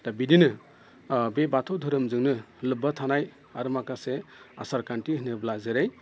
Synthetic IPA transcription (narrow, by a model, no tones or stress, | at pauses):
tabidinɯ | bebatʰɔwdʱɯɾɯmzɯŋnɯlɯbatʰanaj | aɾɯmakasea̰saɾkantiɦɯnɯblazeɾaj